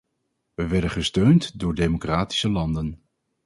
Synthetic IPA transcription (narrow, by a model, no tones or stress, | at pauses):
ʋəʋɛɹdəχəstøɥntdʊːɹdejmokraːti̥səlɑndən